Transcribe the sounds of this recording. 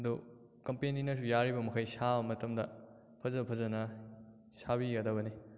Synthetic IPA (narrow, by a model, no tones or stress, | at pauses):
do | kɐmpeninɐs̬ujaɾibɐmɐkʰajsabɐmɐtɐmdɐ | pʰɐzɐpʰɐzɐnɐ | sabiɡɐdɐβɐni